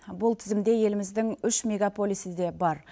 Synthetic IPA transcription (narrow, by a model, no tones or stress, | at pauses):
bʊlˠt̪ʰɪzɪmd̪e̞je̞lɪmɪzd̪ɪŋʏʃmʲe̞ɡapʰolʲisɪd̪e̞bɑɾ